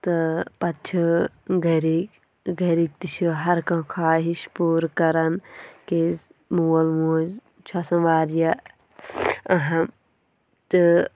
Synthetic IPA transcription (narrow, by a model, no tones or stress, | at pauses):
t̪ɨpɐt̪t͡ʃʰiɡɐɾik | ɡɐɾik̚t̪it͡ʃʰuɦɐɾkɐ̃kʰaːɦiʃpuːɾkɐɾɐnkez | muːɐlmoːz | t͡ʃʰɐsɐ̃ʋaːɾjɐ | ɐɦɐ | t̪ɨ